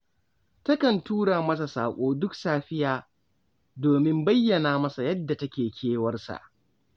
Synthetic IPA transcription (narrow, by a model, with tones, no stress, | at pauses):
tɐ˦kɐ˨ntuː˦ɽaː˨mɐ˦s̬a˨sa̰ː˨kʷʼoː˦dʊ˦ksaː˦ɸɪ˦jaː˨ | doː˨mɪ˦mbɐ˦jːɐ˨naː˨mɐ˦sa˨jɐ˦dːa˨tɐ˦kʲeː˨kʲʰeː˦wɐ˦rsa̰˨ʔ